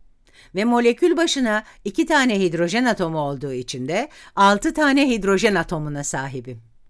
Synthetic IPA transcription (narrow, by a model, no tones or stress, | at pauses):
vɛmo̞lʲe̞cʰylʲbaʃɯnaicit̪ʰaːnɛɦid̪ɾo̞ʒɛnat̪ʰo̞muo̞lˠd̪uːit͡ʃʰind̪ɛalˠt̪ʰɯt̪ʰaːnɛɦid̪ɾo̞ʒɛnat̪ʰo̞munasaːɦibi